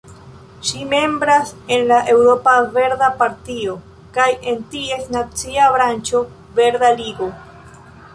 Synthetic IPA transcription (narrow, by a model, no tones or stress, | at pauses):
ʃime̞mbɾase̞nlaʔe̞wɾo̞pave̞ɾd̪apaɾt̪io̞ | kaje̞ntie̞snat͡siaβɾant͡ʃo̞ | ve̞ɾd̪aliɡo